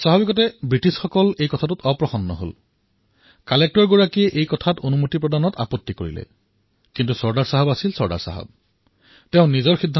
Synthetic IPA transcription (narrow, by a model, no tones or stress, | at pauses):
saɦabikɔt̬ɛbɹitisxɔkɔlejkɔtʰatutɔpɹɔxɔnːɔ̰ɦo̰l | kalek̚tɔɹɡoɹakiɛʔejkɔtʰatonumutipɹɔdanɔta̰pɔtːikoɹḭlɛ̰ | kintusɔɹdaɹsaɦabasilsɔɹda̰ɹsa̰ɦɔ̰b̚ | tɛʊ̃nizɔɹxidʱːa